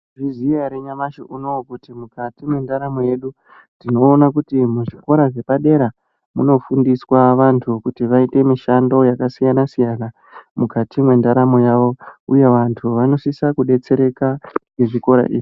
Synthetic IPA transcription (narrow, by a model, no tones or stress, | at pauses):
vizijaɾe̞ɲamaʃo̰ʔunokutimukatimwe̞ndaɾamoje̞ɗu | ndino̞ːnakutimuʐiko̞ɾaʐe̞paɗe̞ɾa | mṵno̞fundiswaʋantʰukutiʋaite̞miʃando̞jakasijanasijana | mukatimwe̞ndaɾamo̞jaʋo̞uje̞ʋantʰuʋano̞sisakuɗe̞t͡se̞ɾe̞kaŋɡeʐiko̞ɾa̰ʔḭːʐi